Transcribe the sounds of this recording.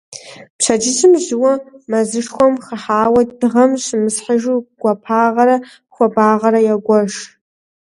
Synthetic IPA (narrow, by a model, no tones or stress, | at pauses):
pɕʰad͡ʒɪzʰɪmʒɪwɐmɐzɨʂxʷɔmχəħaːwɐd̥ɨʁɐmɕɪmɨsħaʒuɡ̥ʷɐpʰaːʁɐɾɐ | xʷɔbaːʁɐɾɐjaɡʷɔʒ